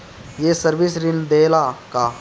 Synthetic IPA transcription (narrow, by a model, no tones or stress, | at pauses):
jeːsəɾʋɪsɾɪnd̪eːlaːkaː